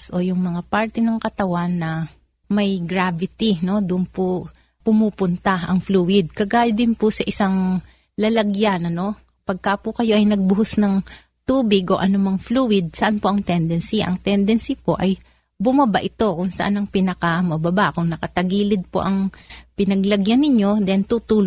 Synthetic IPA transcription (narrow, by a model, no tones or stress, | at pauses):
sʔo̞jʊŋmɐŋapaɹt̪ɛnɐŋkɐt̪ɐwanːɐ | mɐjɡɾavɪt̪ino̞d̪ʊʔʊnpo | pʊmuːpʊnt̪aɐŋfluːwɪd̪̚kɐɡaːjɐd̪ɪnpʊsɐʔɪsaŋ | lɐlɐɡjanɐno̞ | pɐɡ̚kapʊkɐjo̞ʔɐjnɐɡ̚bʊhʊsnɐŋ | t̪uːbɪɡʔo̞ʔɐnʊmɐŋfluːwɪd̪̚sɐʔanpoʔɐŋt̪ɛnd̪ɛnsiʔɐ̰ŋt̪ɛnd̪ɛnsipo̞ʔɐj | bʊmɐbaʔɪt̪o̞kʊŋsɐʔanɐŋpɪnɐkɐmɐbɐbaʔkʊŋnɐkɐt̪ɐɡiːlɪd̪̚po̰ʔɐŋpɪnɐɡlɐɡjanːɪɲo̞d̪ɛnt̪ut̪uːl